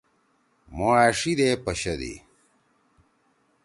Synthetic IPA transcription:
moaːʂid̪epɐɕɐd̪ḭ

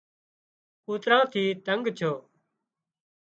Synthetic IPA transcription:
kuːt̪ɾãːt̪ʰiːt̪əŋɡt͡ʃʰoː

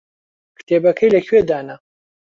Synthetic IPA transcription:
kʰt̪ʰeːbɐkʰɐjlɐxeːd̪aːnɐ

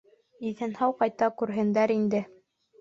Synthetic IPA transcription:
iθɘnhɑwqɑjt̪ɑkʉɾɦɘ̆nd̪æɾind̪ɘ

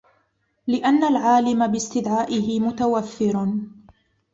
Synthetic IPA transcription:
lɪʔanːalʕaːlɪmabɪst̪ɪd̪ʕaːʔɪhɪmʊt̪awaθːɪɾ

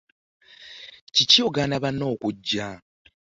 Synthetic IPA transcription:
cicioɡanaβano̞ːkuɟːa

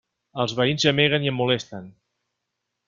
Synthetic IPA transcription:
əlˠzβəinzəmeɣ̞əniəmːulest̪ən

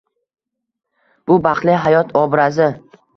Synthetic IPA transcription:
b̥ʊbɑqlˠɪɦajɒt̪ʰɒbɾazɪ

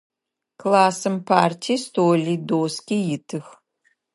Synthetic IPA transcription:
klaːsɨmpʰaːrtʰiːstʰoːlidoːskʲijɪtʰɨx

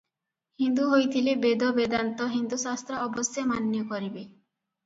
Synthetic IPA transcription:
hind̪uɦojt̪ʰilebed̪ɔbed̪ant̪ɔɦind̪usast̪ɾɔɔbɔsjamanjɔkɔɾibe

